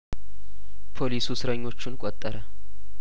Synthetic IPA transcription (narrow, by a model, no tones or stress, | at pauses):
pʰo̞lisusɨɾəɲːo̞t͡ʃːunkʼot̪ʼːəɾə